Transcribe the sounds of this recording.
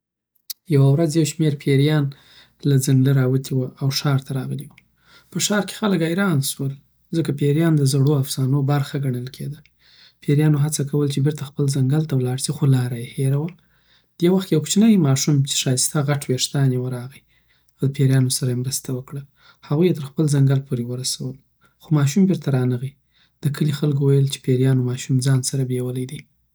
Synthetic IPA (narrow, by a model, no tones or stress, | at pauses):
jawawɾazjawʃmeɾpʰeɾijɑn | lazaŋɡləɾɑwət̪ʰiwəʔawʃɑɾt̪ʰaɾɑɣəliwu | pəʃɑɾke̥xaləkajɾɑnswəl | zəkapeɾjɑnd̪əzaɽoafsɑnobaɾxaɡaɳəlkʰed̪a | pʰeɾjɑnoɦat͡sakawəlt͡ʃebɪɾt̪axpəlzaŋɡalt̪awlɑɽsixolɑɾajeheɾawa | d̪̥ewaxt̪kjawkt͡ʃnəjmɑʃumt͡ʃe̥ʃɑjəst̪aɣaʈweʂt̪ɑnjewəɾɑɣi | awd̪əpʰeɾjɑnosaɾajemɾəst̪awəkɽəl | haɣujet̪əɾxpəlzaŋɡalpʰoɾewəɾasawəl | xomɑʃumbɪɾt̪aɾɑnəɣi | d̪̥əkʰəlixalkwajəlt͡ʃe̥peɾjɑnomɑʃumd͡zɑnsaɾabewəlajd̪i